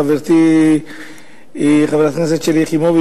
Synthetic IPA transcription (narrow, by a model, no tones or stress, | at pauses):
aveɾt̪i | χaveɾat̪nes̬et̪ʃeliχimobi